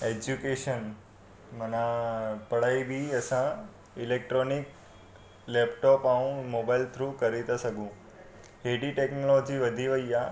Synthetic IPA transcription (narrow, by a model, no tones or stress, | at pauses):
ed͡ʒukeʃən | mənapəɽ̤aibʱiəsã | ɪlek̚ʈɾonɪk | lepʈɔpaũmobailt̪ʰɾuːkəɾit̪asəɡũ | ɦeɖiʈeknolod͡ʒiʋəd̪ʱiʋəija